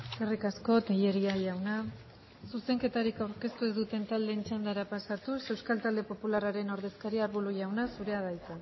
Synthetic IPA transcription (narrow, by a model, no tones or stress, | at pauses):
erikasko̞t̪eʎe̞ɾiaʝawna | suse̞ŋke̞t̪aɾikawɾke̞st̪ue̞zd̪ut̪e̞nt̪ald̪e̞ːnt͡ʃand̪aɾapasat̪use̞wskalt̪ald̪e̞po̞pularaɾe̞no̞ɾð̞e̞skaɾiaɾβuluʝawnasuɾe̞aðajt͡sa